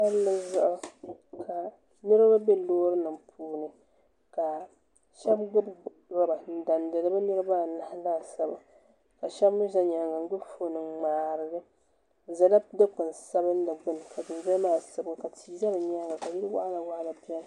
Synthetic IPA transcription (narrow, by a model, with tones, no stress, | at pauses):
a˦lla˦za˦ʔkʰa˨ | nɨ˦ɾɨ˦ba˦bɛ˦loː˦ɾɨ˦nɨ˨m˨pʰuː˨nɨ˨ | ka˨ | ʃɛ˦bɡʊ˦b | ɾa˦ba˨n̩˨da˨ndɨ˨ɾɨ˦ba˦nɨ˦ɾɨ˦ba˦˨na˨ha˦laː˦˨sa˨ba˨ | ka˨ʃɛ˦bmu˦ʒa˦ɲa˨ŋɡa˨n˦ɡ͡bʊ˦fo˨nɨ˨ŋ͡maː˨ɾɨ˨ɡɨ˦ | za˨la˦pdɨ˦k͡pɨ˨n˨sa˦bɨ˦n˦da˨ɡ͡bɨ˦nɨ˨ka˨dɨ˨n˨zɛ˦maː˦˨sa˨˦bka˨ti˨za˦bɨ˨ɲa˦ŋɡa˨ka˨jɪ˦ɾɨ˦wa̰˦la˨wa˦la˨bi˦a˦n˦˨